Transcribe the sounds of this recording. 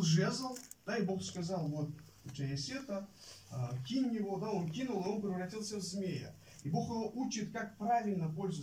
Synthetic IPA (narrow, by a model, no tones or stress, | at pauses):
nʐezəlˠd̪̥aibo̞χskɐzɑlˠvo̞t̪ | ʊt̪ʲajasʲet̪ə | əkʲinʲjɪvo̞d̪ao̞nkʲinulˠio̞npɾʲɪvrɐtʲilˠsʲəvzmʲe̞jə̰ | ibo̞χɨvoʔut͡ʃɪt̪kak̚pravʲɪlʲnəpo̞lʲzʊə